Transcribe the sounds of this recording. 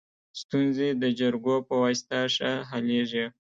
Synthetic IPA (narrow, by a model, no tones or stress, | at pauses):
st̪unzed̪əd͡ʒaɾɡopəwast̪aʂaɦaleʒi